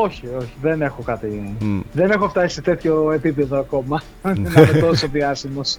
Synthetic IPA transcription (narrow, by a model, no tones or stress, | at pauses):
o̞çio̞çiðe̞ne̞xo̞kɐt̪iðe̞ne̞xo̞ft̪ɐsi̥se̞t̪e̞t̪ço̞e̞pipe̞ðoɐko̞mɐ | nɐmet̪osoviɐsimos